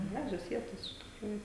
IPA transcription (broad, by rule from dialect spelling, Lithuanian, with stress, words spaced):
ˈɡrɑːʒʲoːs ˈʋʲiɛtoːs ɪʃ tʲɪkˈruːjʊ